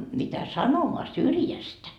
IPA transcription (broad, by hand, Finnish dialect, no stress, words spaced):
mitæ sɑnomoɑ syrjæstæ